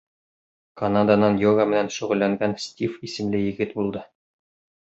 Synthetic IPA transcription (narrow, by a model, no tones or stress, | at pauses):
kɐnad̪anɑnjoɡamɘ̆nænʃɵ̆ʁɵ̆lːæŋɡænsʲtʲifisɘ̆mlɘjɘ̆ɡɘt̪bulˠd̪ɤ